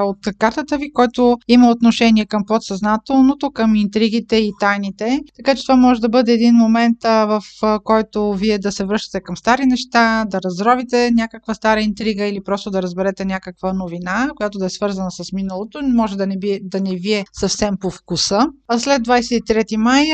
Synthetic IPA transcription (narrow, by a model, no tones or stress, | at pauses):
ot̪kaɾt̪ət̪əvikɔjt̪oiməot̪noʃɛniɛkəmpot̪sɐznat̪ɛlˠnot̪okəmint̪ɾiɡ̟it̪ɛit̪ajnit̪ɛt̪ɐkat͡ʃɛ̥t̪ovamɔʒɛd̪ɐbɤd̪ɛːd̪inmomɛnt̪vəfkɔjt̪oviɛd̪ɐsɛvɾɤʃt̪ə̥t̪ɛkɐmst̪aɾinɛʃt̪ad̪ɐɾɐzɾɔvit̪ɛnʲjakəkvəst̪aɾəint̪ɾiɡəilipɾɔst̪od̪ɐɾəzbɛɾɛt̪ɛnʲakəkvənovinakojat̪od̪ɐɛsvɤɾzɐnəsəsminəlˠot̪omɔʒɛd̪ɐnɛbid̪ɐnɛviɛsəfsɛmpofkusəaslɛd̪̚d̪vajsɛt̪it̪ɾɛt̪imaj